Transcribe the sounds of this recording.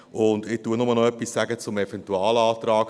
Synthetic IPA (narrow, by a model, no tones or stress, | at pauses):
ʊnd̪ɪtuːənʊməlnɔœpːisːæɡət͡sʊmevɛntuɑːlɑːtɾɑːɡ